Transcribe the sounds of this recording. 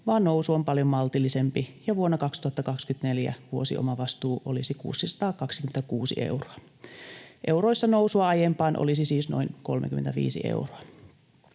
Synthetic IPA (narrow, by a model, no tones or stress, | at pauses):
ʋɑːnːousuompɑljommɑlt̪ilːˑisempijɑʋuonːɑkɑkst̪uhɑt̪ːɑkɑkskyt̪neljæ̰ʋuo̞sḭʔo̰mɑʋɑst̪uːʔo̰lisikṵːsːisɑ̥t̪ɑːkɑksi̥kymenækuːsḭʔe̞̰wroɑ | ʔewɾo̞isːɑnowsuɑɑjempɑːnʔo̰lisisiːsno̞̰inko̞̰lmʔḛkyment̪æʋḭːsḭʔḛuroɑ